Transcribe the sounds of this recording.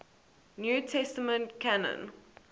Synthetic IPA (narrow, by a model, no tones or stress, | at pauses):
njuːtʰɛstəmə̃ntkʰanə̰̃n